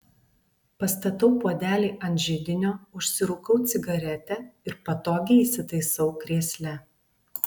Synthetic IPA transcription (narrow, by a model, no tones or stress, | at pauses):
pɐst̪ɐt̪ɐʊpuɔd̪ʲæːlʲiːʔɐnt̪ʒʲɪd̪ʲɪnʲoːʊʃʲsʲɪɾʊkɐʊt̪sʲɪɡɐɾʲɛt̪ʲɛɪɾpɐt̪oːɡʲɪiːsʲɪt̪ɐɪsɒʊkɾʲiɛsʲlʲɛ